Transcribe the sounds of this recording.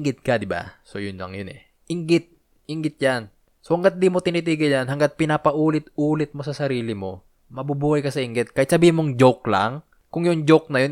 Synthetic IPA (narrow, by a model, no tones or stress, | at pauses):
ŋɡɪt̪̚kɐd̪ɪba̰sojʊnlɐ̰ŋjʊnɛ | ʔɪŋɡɪt̪̚ | ʔɪŋɡɪt̪̚jan | sohɐŋɡat̪̚d̪iːmo̞t̪ɪnit̪iːɡɪljanɦhɐŋɡat̪̚pɪnaːpɐʔuːlɪt̪̚ʔuːlɪt̪̚mo̞sɐsɐɾiːlɪmo̞ | mɐbubuːhɐjkɐsɐʔɪŋɡɪt̪̚kahɪt̪sɐbiːhɪnmoŋd͡ʒok̚la̰ŋ | kʊŋjʊŋd͡ʒok̚nɐjon